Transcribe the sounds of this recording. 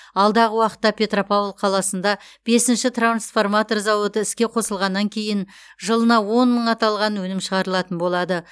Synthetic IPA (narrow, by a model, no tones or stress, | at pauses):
ɑlˠd̪ɑʁəwɑqə̥t̪ːɑpʲʰe̞t̪ropavlˠqʰɑlˠɑsənd̪ɑ | b̥e̞sɪnʃɪt̪ransfo̞rmat̪o̞rzɑwət̪əɪskʲe̞qʰo̞səlˠʁɑnːɑŋkʲʰe̞jɪn | ʒəlˠənɑwo̞nməɴɑt̪ɑlˠʁɑnwɵnɪmʃəʁɑɾəlˠɑt̪ənbo̞lˠɑd̪ə